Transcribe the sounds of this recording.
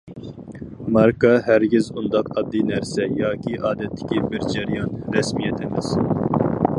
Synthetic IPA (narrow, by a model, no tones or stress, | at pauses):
mɑɾkɑɦæɾɡʲɪzund̪ɑqɑd̪ːinɛɾsɛjɑːkʲʰiʔɑːd̪ɛt̪ʰːɪ̥kʲʰibɪɾd͡ʒæɾijɑnɾɛsmijɛt̪ʰɪmɪz̥